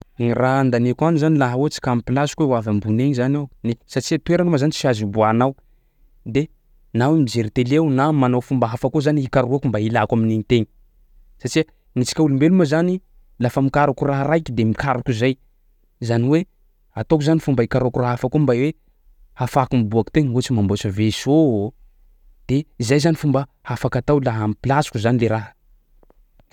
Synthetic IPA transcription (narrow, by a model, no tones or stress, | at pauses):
nirand̪anekwanizanilaɦawot͡si̥kʲamipilasi̥keuwavambuneɲizanewnesat͡ʃiat̪ueɾanumazanit͡siazibuanaw | d̪e | nawimizeɾit̪elewunamanofumbaɦafakozaniikaɾuakumbailakwaminiɲit̪eɲi | sat͡ʃia | ŋit͡si̥kʲaulumbeluməzani | lafəmikaɾukuraɦəɾaikʲid̪emikaɾakuzaj | zaniwe | at̪okuzanifumbəikaɾuakuraɦafakombajwe | hafakumibuaku̥t̪eɲut͡ʃimambot͡ʃəveso | d̪̥eizajzanifumbə | hafakat̪awlaɦamipilasu̥kuzanileɾaɦə̥